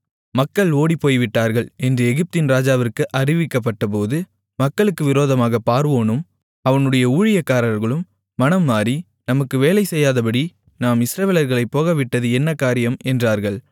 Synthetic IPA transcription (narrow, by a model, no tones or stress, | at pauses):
mɐkːɐɭoːɽipːoːjʋɪʈːaːɾɣɐɭɛndrɯɛɣɪp̚t̪ɪnɾaːd͡ʒaːʋɪrkɯʔɐrɪʋɪkːɐp̬ːɐʈːɐp̬oːðɯ | mɐkːɐɭɯkːɯʋɪɾoːðɐmaːɣɐpːaːɾʋoːnɯm | ɐʋɐnɯɽɐjɐuːɻɪjɐkːaːɾɐɾɣɐɭɯmː | ɐnɐmːaːɾi | nɐmɐkːɯʋeːlɐɪsɛjːaːðɐpɐɽi | naːmɪsɾɐʋeːlɐɾɣɐɭɐɪpːoːɣɐʋɪʈːɐðɯɛnːɐkːaːɾɪjɐmɛndraːɾɣɐɭ